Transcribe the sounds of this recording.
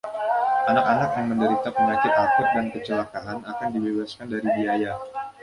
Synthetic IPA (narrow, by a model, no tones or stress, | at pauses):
ʔanakanak̚jaŋməndəɾit̪apəŋat͡ʃɪt̪akʊt̚dankət͡ʃəlakaʔanakandibebaskandaɾibiaja